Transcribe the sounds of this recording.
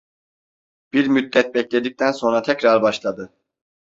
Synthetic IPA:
b̥iɾmyt̪̚lɛt̪̚bɛclʲe̞d̪ic̚t̪ʰænso̞nɾat̪ʰɛcɾaɾbaʃlˠad̪ɯ

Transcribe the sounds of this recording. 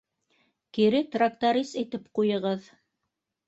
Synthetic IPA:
kiɾɘt̪rak̚t̪aɾisit̪ɘpqujɤ̆ʁɤð

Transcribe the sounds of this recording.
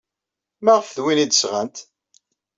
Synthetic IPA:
mæʁəfðwinid̪əsʁænt̪

